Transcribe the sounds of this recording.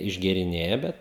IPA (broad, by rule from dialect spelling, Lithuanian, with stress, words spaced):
ɪʒʲɡʲeːrʲɪˈnʲeːjɛ ˈbʲɛt